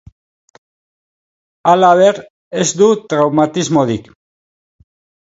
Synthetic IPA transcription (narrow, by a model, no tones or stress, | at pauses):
alaβe̞ɾ | e̞zd̪ut̪ɾawmat̪izmo̞ðik